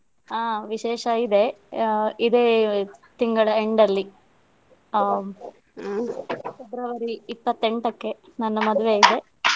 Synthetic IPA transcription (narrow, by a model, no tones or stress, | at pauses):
aːʋiʃɛːʃɐid̪e̞ | id̪eːt̪iŋɡɐɭɐeɳɖɐlːi | sud̪ɾɐʋɐɾiːpːɐt̪ːe̞ɳʈɐkːe̞nɐnːɐmɐd̪uʋe̞id̪e̞